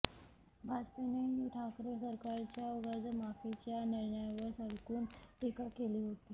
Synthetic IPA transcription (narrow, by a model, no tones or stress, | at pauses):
bʱad͡zpeneiʈʰakɾəsəɾkaɾt͡ɕjauɡəd͡zmafit͡ɕjaniɾɳəjaʋəɾsəlkuːnt̪ikakeliɦot̪iː